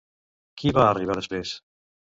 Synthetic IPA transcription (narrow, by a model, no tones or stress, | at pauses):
kiβaːriβaðespɾes